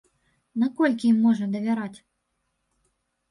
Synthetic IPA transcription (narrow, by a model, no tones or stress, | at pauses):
nakɔlʲkʲijimːɔʐnɐd̪ɐvʲaɾat͡sʲ